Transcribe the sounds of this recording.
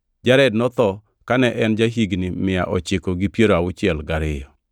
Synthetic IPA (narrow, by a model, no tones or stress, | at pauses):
d͡ʒaɾɛdnɔt̪ɔ | kanɛʔɛnd͡ʒaɦiɡnɪmɪja̰ʔɔt͡ʃɪkoɡipjeɾoawʊt͡ʃɪɛlɡaɾɪjɔ